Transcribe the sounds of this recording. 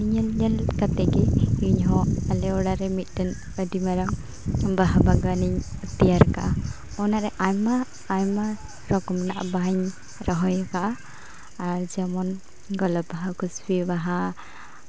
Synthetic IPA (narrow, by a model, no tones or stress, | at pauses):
iɲəlɲɛlkat̪ɛɡɛiɲɦɔalɛɔɽaɾɛmit̪̚ˀdɛn | ədimaɾaŋ | baɦabaɡaniɲt̪ijaɾka̰ʔa | ɔnaʔɾɛʔajmaː | jma | ɾɔkɔmnaʔa̰baɲ | ɾɔɦɔjkaʔaː | ɾd͡ʒamɔn | ɡɔlɔbaɦakusbibaɦa